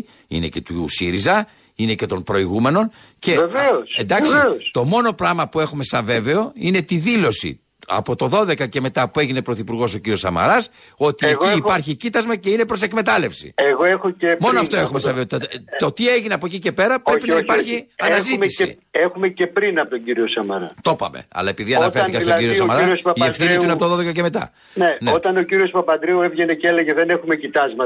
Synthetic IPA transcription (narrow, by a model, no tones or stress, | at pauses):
ḭne̞̰ce̞t̪usiɾizɐ | ine̞ce̞t̪o̞mpɾo̞iɣume̞no̞n | ce̞veveosend̪ɐkseost̪o̞mo̞no̞pɾɐmɐpue̞xume̞sɐve̞ve̞o̞ine̞t̪iðilo̞sḭ | ɐ̰po̞t̪o̞ðo̞ðe̞kɐce̞me̞t̪ɐpue̞ʝine̞pɾo̞θipuɾɣo̞s̬o̞ciɾio̞sɐ̰mɐ̰ɾɐs | o̞t̪ieɣiipɐɾçicit̪ɐzmɐce̞ine̞pɾo̞se̞kme̞t̪ɐlefsḭeɣo̞e̞xoemo̞noɐft̪oe̞xummesɐveoɐot̪ieʝineɐpocice̞pe̞ɾɐpɾepinɐipɐɾçiɐnnɐziisḭ | exumece̞pɾinɐpot̪oɟiɾiosɐmɐɾɐ̰t̪o̞pɐ̰me̞̰ɐ̰lɐepiðiɐnɐfeθikɐstoɟiɾiosɐmɐɾɾosɐiefθiniuinɐpot̪ðoðekɐceme̞t̪ɐ̰ | neneot̪ɐno̞ciɾio̞spɐpɐnd̪ɾiuevʝeneceleʝeðene̞xume̞cit̪ɐzmɐ